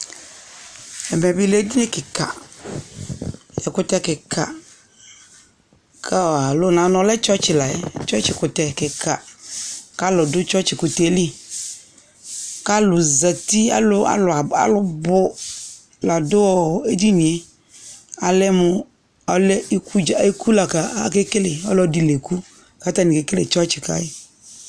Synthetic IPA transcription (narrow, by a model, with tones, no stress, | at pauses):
ɛ˨mɛ̃˨bi˦le˦d̪i˦ne˦kɪ˨ka̰˨ | e˨kʊ˦t̪ɛ˦kɪ˨kʰa̰˨ | kʰa˦˨a˨lʊ˦nã˨nɔ̃˨˦lɛ˦t͡ʃɔ˦t͡ʃi˨la˨ḛ˦t͡ʃɔ˦t͡ʃi˨kʊ˨t̪ɛ˨kɪ˨kʰa˨ | ka˦lʊ˨dʊ˦t͡ʃɔ˦t͡ʃi˨ku˨t̪e˨˦li˦ | ka˦lʊ˨za˨t̪i˦a̰˨lʊ˦a̰˨lʊ˨a˨a̰˨lʊ˦bʊ˦ | la˨dʊ˦wɔ˨e˦di˦nĩ˨e˦ | a˨lɛ˦mʊ˦ | ɔ˨lɛ˦i˦ku˦d͡ʒa˦˨˦i˦kʰu˦la˨ka˨a˦ke˦ke˦le˨ɔ̰˦lɔ˦di˨le˨ku˦ | ka˨˦t̪a˦ni˨ke˦ke˦lḛ˨t͡ʃɔ˦t͡ʃɪ˨ka̰˦ɪ˦